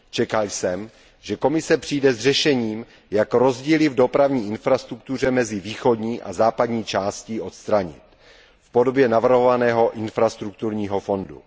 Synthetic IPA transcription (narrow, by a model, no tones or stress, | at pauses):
t͡ʃɛkalsɛm | ʒɛko̞mɪsɛpr̥ijdɛzr̝ɛʃɛɲiːm | jakɾo̞zɟiːlɪvdo̞pɾavɲiːʔɪnfɾast̪ɾukt̪ur̝ɛmɛzɪviːxo̞dɲiːʔa̰zaːpadɲiːt͡ʃaːscɪʔo̞t̪st̪ɾaɲɪ̰t̪ | fpo̞do̞bjɛnavr̩ɦo̞vanɛːɦo̞ʔɪnfɾast̪ɾuk̚t̪uɾɲiːɦo̞fo̞ndṵ